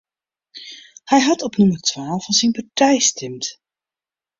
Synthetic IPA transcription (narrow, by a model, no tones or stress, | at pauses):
hɛjɦɑtɔpnɵməɹtʋaːlˠfɑnsinpaɹtɛjstɛmt